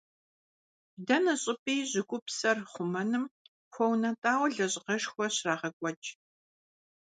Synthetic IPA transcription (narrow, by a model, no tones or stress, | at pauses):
dɐnɨɕʼɪpʼiːʑɪkʷʼʊpsɐrχʷʊmɐnɨm | xʷɔwnɐtʼaːwɮɐɕʼqɐʃxʷɔɕraːʁɐkʷʼɔt͡ʃʼ